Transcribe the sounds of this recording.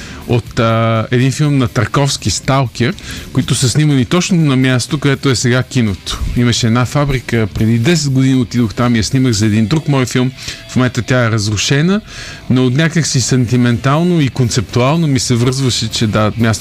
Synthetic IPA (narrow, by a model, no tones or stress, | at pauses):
ot̪əɛd̪infilˠmnɐt̪ɐɾkɔfsk̟ist̪alˠkʲɛɾkoit̪ʊsɐsnimənit̪ɔt͡ʃnonɐmjast̪okoɛt̪oɛsɛɡakʲinot̪o̥iməʃɛɛd̪nafabɾikəpɾɛd̪id̪ɛs̬ɛd̪̚ɡʊd̪iniot̪id̪oxt̪amiasniməxzɐɛd̪ind̪ɾukmɔjfilˠmfmomɛnt̪ət̪ʲjaɛɾəzɾʊʃɛnə | noːt̪nʲakəksisɐnt̪imɛnt̪alˠnoikont̪sɛp̚t̪ualˠnomisɛvɤɾzvəʃɛt͡ʃɛd̪amʲjas